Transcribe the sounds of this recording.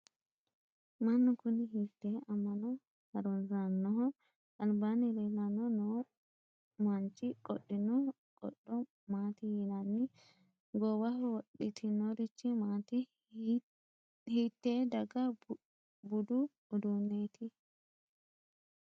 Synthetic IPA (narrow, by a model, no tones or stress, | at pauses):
mɐnːɔkʊnɪɦit̪ːeːɐmːɐnɔ | hɐɾɔnzanːɔɦɔ | ɐnbanɪɾelɐnɔnoː | mɐnt͡ʃʼːɪkʼɔɗːɪnɔ | kʼɔ̰ɗɔ | maːt̪ɪjinɐnːɪ | ɡɔwɐhwɔɗɪt̪ʰɪnɔɾɪt͡ʃːɪmaːt̪ɪ | hit̪ːeːd̪ɐɡɐ | bʊd̪ʊ | ʊd̪uːnːeːt̪ʰɪ